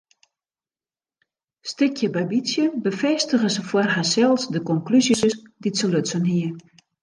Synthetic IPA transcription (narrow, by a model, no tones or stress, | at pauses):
stɪkʰjəbabisjəbəfɛstəɣəsəfwarɦasɛlˠsdəkɔŋklysisəsditsəløtsənɦiə